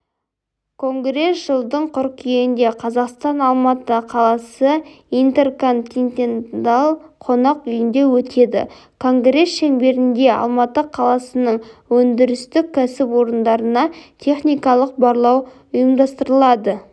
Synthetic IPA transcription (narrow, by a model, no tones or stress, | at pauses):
kʰo̞ŋɡɾe̞sʒ̥əlˠd̪əɴqʰʊɾqijeɪnd̪e̞qʰɑzɑqst̪ɑnɑlˠmɑt̪əqʰɑlˠɑsə | ijnt̪e̞rko̞nt̪int̪ʲent̪ɑlˠqʰo̞nɑqʏjɪnd̪e̞wɵt̪ʰe̞d̪ɪ̰ | kʰo̞ŋɡɾe̞sʃenbe̞ɾɪnd̪e̞ɑ̰lˠmɑt̪əqʰɑlˠɑsənəɴwɵnd̪ɪɾɪst̪ɪk̚ʲʰːæsɪpwo̞ɾənd̪ɑɾənɑt̪ʰe̞χnijkɑlˠəq̚bɑɾlˠɑw | ʊjəmd̪ɑst̪əɾəlˠɑd̪ə